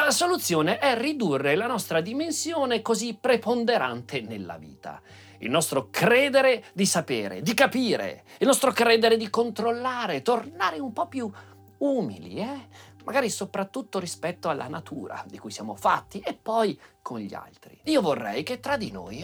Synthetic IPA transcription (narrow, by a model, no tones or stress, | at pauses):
lasolut̪sːjoːneʔɛrid̪urːelanɔst̪ɾad̪imensjoːnekozipːɾepond̪eɾa̰nt̪ʰenelːa̰vḭːt̪a̰ | ḭlnɔst̪ɾokɾɛːd̪eɾed̪isapḛːɾḛd̪ikapiːɾḛilnɔst̪ɾokɾɛːd̪eɾed̪ikont̪ɾolːaːɾet̪ornaːɾeumpɔpːju | uːmḭlḭɛmʔa̰ɡaːɾisopɾat̪ːut̪ːoɾispɛt̪ːoalːʔa̰nat̪ʰṵːɾa̰d̪ikujsjaːmo̰fa̰t̪ːiepːɔjkʰonʎːia̰lt̪ɾiiːovorːɛ̰jket̪ːɾad̪ino̰j